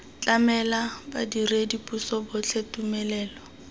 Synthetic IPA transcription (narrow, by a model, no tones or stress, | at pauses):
t͡ɬʼamɛlaba̰diredipʼusɔbʊt͡ɬʰetumɛlɛːlɔ